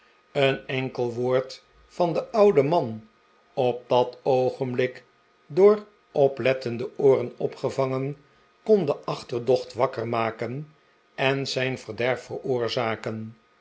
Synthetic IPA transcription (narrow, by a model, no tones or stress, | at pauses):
ənɛŋkəlˠʋoːɹt | fɑndəʔʌwdəmɑn | ɔp̚dɑtowχəmblɪk | dʊːr | ʔɔplɛtəndəʊːrənɔpχəvɑŋən | kɔndəʔɑχtərdɔχtʋɑkərmaːkən | ɛnzɛjnvərdɛɹfərʊːɹzaːkən